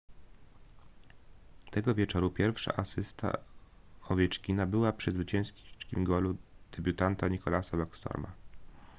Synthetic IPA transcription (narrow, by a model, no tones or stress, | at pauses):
t̪ɛɡɔvʲjɛt͡ʂɔɾupʲjɛɾfʂa̰ʔasɘst̪a̰ | ɔvʲjɛt͡ʂkʲinabɘwapʂɛzvɘt͡ɕɛ̃skʲt͡ʂkʲimɡɔlud̪̥ɛbʲjut̪ant̪aɲikɔlasabakst̪ɔ̰ɾma̰